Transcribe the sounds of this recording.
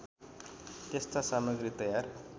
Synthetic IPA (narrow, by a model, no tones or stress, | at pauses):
t̪est̪asamʌɡɾit̪ʌjar